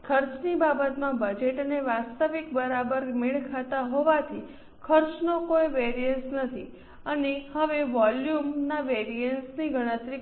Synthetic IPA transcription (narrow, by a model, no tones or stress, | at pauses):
kʰəɾt͡ʃnibabət̪mãbəd͡ʒeʈəneʋast̪əʋikbəɾabəɾmɪɭkʰat̪aɦoʋat̪ʰi | kʰəɾt͡ʃnokojʋeɾijənsnət̪ʰi | ənehəʋeʋɔljumnaʋeɾijənsniɡəɽ̃ə̃t̪ɾi